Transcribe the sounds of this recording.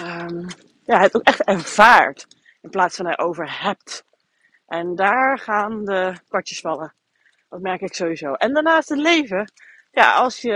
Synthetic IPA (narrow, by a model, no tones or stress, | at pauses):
əm | jaːtokɛχtɛɹv̥aːɹt | ɪnplaːtsfɑnɦɛjʔowvəɹhɛp̚t | ʔɛndaːɹχaːndəkʋɔɹtjəsfɑlə | dɑtmɛɹkɪksowwizowʔɛndaɹnaːstɦətlejvə | ja̰ɑlˠsjə